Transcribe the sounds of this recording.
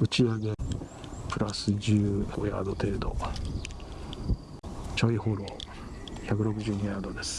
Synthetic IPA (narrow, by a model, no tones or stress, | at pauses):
ɯ̟t͡ɕiaɡe | pɯ̟ɾasɨd͡ʑɨːo̰ja̰d̪o̞t̪e̞ːd̪o̞̰ | t͡ɕoiho̞ɾo̞ː | çakɯ̟ɾo̞kɯ̟ʑɨːɲ̟iaːd̪o̞d̪e̞sɨ̥